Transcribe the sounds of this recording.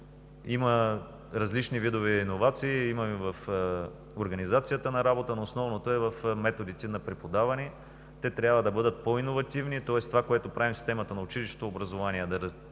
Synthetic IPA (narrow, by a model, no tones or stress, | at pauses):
imə | ɾɐzlit͡ʃnivid̪ovɛinovat̪siːimɐmivɐf | oɾɡɐnizat̪sijət̪ənɐɾabot̪ənoːsnɔvnot̪oɛvɐfmɛt̪od̪it̪ɛnɐpɾɛpod̪avɐni | t̪ɛt̪ɾʲabvəd̪ɐbɤd̪ət̪̚poinovɐt̪ivnit̪ɔɛst̪ovakoɛt̪opɾavimsi̥st̪ɛmɐt̪ənɐʊt͡ʃiliʃo̥t̪oːbɾɐzovaniɛd̪ɐɾ